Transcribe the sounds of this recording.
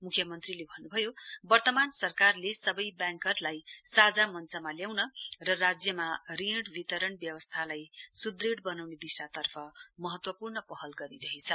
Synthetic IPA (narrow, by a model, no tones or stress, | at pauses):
mukʰjʌmʌnt̪rilebʱʌnːubʱʌjobʌrt̪ʌmansʌrkarlesʌbʌjbjãŋkʌrlajsad͡zamʌnt͡sʌmaljawnʌrʌrad͡zjʌmarĩɽbit̪ʌɾʌnbjʌwʌst̪ʰalajsud̪reɽbʌnawnebisrat̪ʌrpʰʌmʌɦʌt̪wʌpurnʌpʌɦʌlɡʌɾiɾʌɦet͡sʰʌ